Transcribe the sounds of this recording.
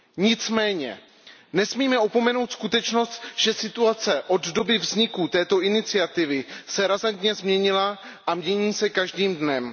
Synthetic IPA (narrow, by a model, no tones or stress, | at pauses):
ɲɪt͡smɛːɲɛ̰ | nɛsmiːmɛopo̞mɛno̞wt̪skut̪ɛt͡ʃno̞st̪ʒ̥ɛsɪt̪uat͡sɛʔo̞d̪do̞bɪvzɲɪkut̪ɛːt̪o̞ʔɪnɪt͡sɪat̪ɪvɪsɛɾazant̪ɲɛzmɲɛɲɪla | ʔamɲɛɲiːsɛkaʒdiːmdnɛm